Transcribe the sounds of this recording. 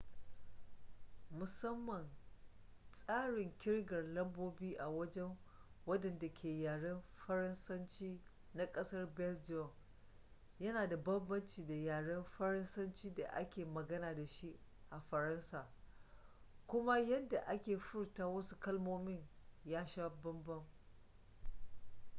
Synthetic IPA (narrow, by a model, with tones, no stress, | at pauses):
mʊ˨sɐ˦mːɐ˨n | sʼaː˦ɽɪ˨ŋkʲɪ˦ɽɡɐ˨rlɐ˦mboː˦biː˦ʔa˨wɐ˦d͡ʒɛ˦ŋ | wɐ˦dɐ˨nda˨kʲʰeː˨jaː˨ɽɐ˦mɸɐ˦ɾɐ˦nsɐ˦nt͡ʃiː˦ | na˦kʼɐ˦sɐ˦rbɛ˦ld͡ʒɔ˨ŋ | jɐ˦naː˨da˨bɐ˦mbɐ˦nt͡ʃiː˨da˨jaː˨ɽɐ˦mɸɐ˦ɾɐ˦nsɐ˦nt͡ʃiː˦da˨ʔa̰˦kʲeː˨mɐ˨ɡɐ˦naː˨da˨ʃi˦ | ʔa˨ɸɐ˨ɾɐ˦nsaː˨ | kʷʊ˦ma˦jɐ˦da˨ʔa˦kʲeː˨ɸʊ˦rtaː˦wɐ˦su˦kɐ˦lmoː˦mɪ˦ɲ | jaː˦ʃaː˦bɐ˦mbɐ˦ŋ